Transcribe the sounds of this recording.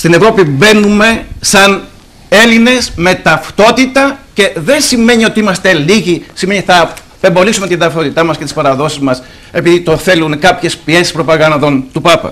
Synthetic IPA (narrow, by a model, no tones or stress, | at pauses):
st̪ine̞vɾo̞pibe̞nume̞sɐn | e̞line̞sme̞t̪ɐft̪o̞t̪it̪ɐce̞ðe̞nsime̞ɲio̞t̪iimɐst̪e̞liʝisime̞ɲiθɐ | pe̞mbo̞lisume̞t̪ind̪ɐft̪o̞t̪it̪ɐmɐske̞t̪ispɐɾɐðo̞sizmɐs | e̞piðit̪o̞θe̞lunkɐpçe̞spie̞sispɾo̞pɐɣɐnd̪o̞nt̪upɐpɐ̰